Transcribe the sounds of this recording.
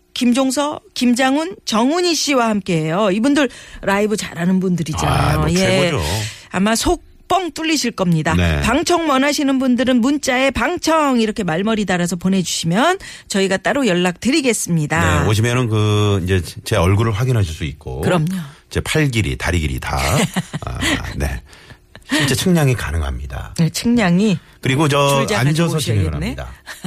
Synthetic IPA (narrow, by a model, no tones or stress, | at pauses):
kimd͡ʑoŋsʰʌkimd͡ʑaŋunt͡ɕʌŋuɲiɕ͈ʰiwahamk͈e̞ɦe̞joibundɯɾɾaibɯt͡ɕa̰ɾɦanɯnbundɯɾid͡ʑanjoje̞oamasʰok̚p͈ʌŋt͈uʎːiɕʰiɭk͈ʌmɲidanḛpaŋt͡ɕʰʌŋmʌnaɕʰinɯnbundɯɾɯnmunt͡ɕ͈ae̞paŋt͡ɕʰʌŋiɾʌkʰe̞maɭmʌɾidaɾasʰʌpone̞d͡ʑuɕʰimjʌn | t͡ɕʌiɡat͈aɾojʌɭːak̚tɯɾiɡe̞s͈ɯmɲidaḛoɕ̬ʰimjʌnɯnkɯind͡ʑe̞t͡ɕe̞ʌɭɡuɾɯɭɸwaɡinɦaɕʰiɭs͈uit̚k͈o̰kɯɾʌmɲoid͡ʑe̞pʰaɭɡiɾḭtaɾiɡiɾḭta̰ | ne̞̰ | ɕʰiɭt͡ɕ͈e̞t͡ɕʰɯŋɲaŋikanɯŋɦa̰mɲida̰et͡ɕʰɯŋɲaŋi | kɯɾiɡot͡ɕʌaanad͡ʑʌsʰʌeɾa̰neida̰